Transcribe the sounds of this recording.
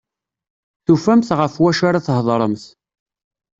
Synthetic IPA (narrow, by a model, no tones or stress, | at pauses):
θufæmθʁəfwæʃaɾaθɦðˤɾˤəmθ